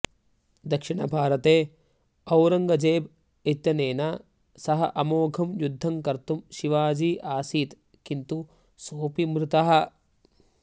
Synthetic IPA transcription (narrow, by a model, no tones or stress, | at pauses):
d̪ɐkʂiɳɐ̰bʱaːɾɐt̪eː | ɐwɾɐŋɡɐd͡ʒeːb | et̪ːjɐneːnɐ | sɐɦɐʔɐmoːɡʱɐmjud̪ʱːɐŋkɐɾt̪umʃiʋaːd͡ʒiːʔaːsiːt̪ | kint̪u | soːpimɾut̪ɐɦɐ̆